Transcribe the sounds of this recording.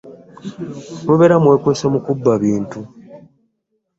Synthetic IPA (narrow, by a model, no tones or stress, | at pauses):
woβeɾamwe̞kweːsemukubːaβiːntu